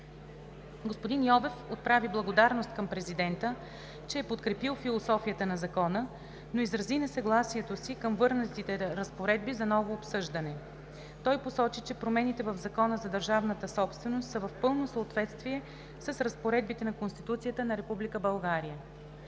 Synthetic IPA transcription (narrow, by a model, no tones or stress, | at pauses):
ɡospod̪injɔvɛfot̪̚pɾaviblˠɐɡod̪aɾnost̪̚kəmpɾɛzid̪ɛnt̪ə | t͡ʃɛːpot̪kɾɛpilˠfilˠosɔfijət̪ənɐzɐkɔnə | noizɾɐzinɛsɐɡlˠasiɛt̪osikəmvɤɾnət̪it̪ɛɾəspoɾɛd̪̚bizɐnɔvoːpsɤʒd̪ənɛ | t̪ɔjposɔt͡ʃit͡ʃɛpɾomɛnit̪ɛvəvzɐkɔnəzɐd̪əɾʒavnət̪əsɔpst̪vɛnost̪səvɐfpɤlˠnosəot̪vɛt̪st̪viɛ | sɐsɾɐspoɾɛd̪̚bit̪ɛnɐkonst̪it̪ut̪sijət̪ənɐɾɛpublikəbɐlˠɡaɾijə